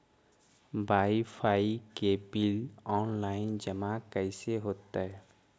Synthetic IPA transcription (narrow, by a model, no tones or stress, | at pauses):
baːipʰaːikebilɔːnlaːɪnd͡ʒəmakəɪseɦoːt̪ːaɛ